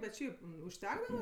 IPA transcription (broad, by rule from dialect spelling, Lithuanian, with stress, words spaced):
bʲɛt ˈʃʲɛɪp ʊʃʲˈtʲæːɡdɐʋɐ